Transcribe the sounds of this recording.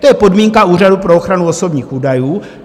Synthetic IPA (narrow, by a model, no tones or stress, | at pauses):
t̪ojɛpo̞dmiːŋkauːradupɾo̞oxɾanuo̞so̞bɲiːxuːdajuː